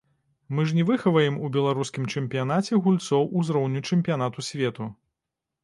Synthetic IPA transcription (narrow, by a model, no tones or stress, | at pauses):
mɨʐnʲɛvɨxɐvɐjɛmubʲɛlˠaɾuskʲimt͡ʂɛmʲpʲijanat͡sʲɛɣulʲt̪sɔwʔuzɾɔwnʲut͡ʂɛmʲpʲijan̪at̪usʲvʲɛt̪u